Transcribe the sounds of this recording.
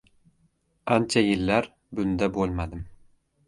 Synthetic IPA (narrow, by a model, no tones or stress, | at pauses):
ant͡ʃʰajɪlːæɾ | bʊnd̪abolˠmad̪ɪm